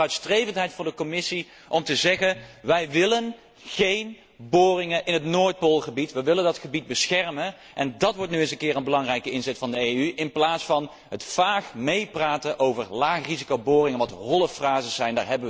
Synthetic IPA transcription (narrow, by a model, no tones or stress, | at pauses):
œɥtstrejvəntɦɛjtfʊndəkɔmɪsi | ʔɔmtəzɛχənʋɛjʋɪlən | χejn | boːrɪŋəʔɪnɦətnoːɹt̚polˠχəbitʋəʋɪləndɑtχəbid̚bəsxɛrmən | ʔɛndɑtʋɔɹtnyɪnsəŋkɪːrənbəlɑŋrɛjkəɪnzɛtfɑndəejyʔɪnplaːtsfɑn | ɦətfaːχmejpraːtəʔowvəɹlaːχrizikowbʊːrɪŋənʋɑtɦɔlˠəfraːzəsɛjnda̰ːɹɦɛbə